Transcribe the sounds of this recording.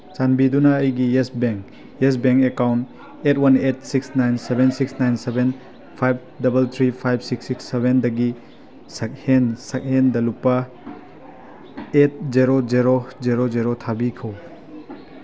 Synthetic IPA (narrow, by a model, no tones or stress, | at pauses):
t͡ʃanbidunɐːjɡiesbeŋk | es̬beŋkekawnt | etwɐnet̚siksnajnsebensiksnajnseben | pʰajb̚dɐbelt̪ʰɾipʰajb̚siksiksːebendɐɡi | sɐk̚hensɐk̚hendɐlupːɐ | et̚zeɾod͡ʒeɾozeɾozeɾotʰabikʰɐw